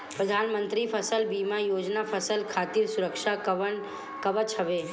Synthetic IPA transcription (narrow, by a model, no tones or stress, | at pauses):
pɾəd̪ʱaːnmə̃nt̪ɾipʰəsəlbiːmajoːd͡ʒnapʰəsəlkʰaːt̪iɾsʊɾəkʃaən | kəʋət͡ʃʰɦəʋeː